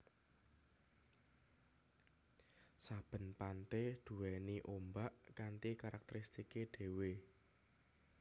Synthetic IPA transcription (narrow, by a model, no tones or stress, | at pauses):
sab̥ə̤npant̪ed̪̥ṳwɛniʔombaʔkant̪ikaɾak̚t̪eɾist̪ikeɖ̥e̤we